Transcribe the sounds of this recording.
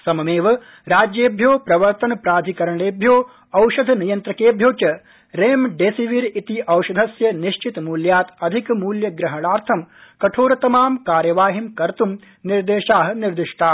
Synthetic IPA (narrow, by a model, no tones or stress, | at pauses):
sɐmɐmeːʋɐ | ɾaːd͡ʒjeːbʱjoːpɾɐʋɐɾt̪ɐnɐpɾaːd̪ʱikɐɾɐɳeːbʱjoː | ɐwʃɐd̪ʱnijɐnt̪ɾɐkeːbʱjoːt͡ʃɐ | ɾeːmɖeːsiʋiɾit̪iʔɐwʃɐd̪ʱɐsjɐniʃt͡ʃit̪muːljaːt̪ɐd̪ʱikmuːljɐɡɾɐɦɐɽaːɾt̪ʰɐmkɐʈʰoːɾɐt̪ɐmaːmkaːɾjɐʋaːɦimkɐɾt̪um | niɾd̪eːʃaːɦɐniɾd̪iʂʈʰaː